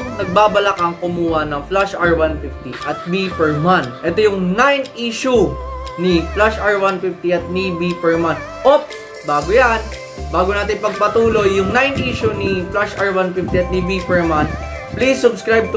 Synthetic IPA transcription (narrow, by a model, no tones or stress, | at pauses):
nɐɡ̚baːbɐlakɐŋkʊmuːhɐnɐŋflaʃaɹwanfift̪iʔɐt̪̚bipɛɹmanʔɛt̪ojʊŋnajniʃuniflaʃʔaɹwanfift̪iʔɐt̪̚nibipɛɹman | ʔop | baːɡojan | baːɡʊnaːt̪ɪnpɐɡ̚pɐt̪uːlo̞jːʊŋnajnʔiːʃuniflaʃʔaɹwanfift̪iɐt̪̚nibipɛɹman | plisːʊbskɹajb̚t̪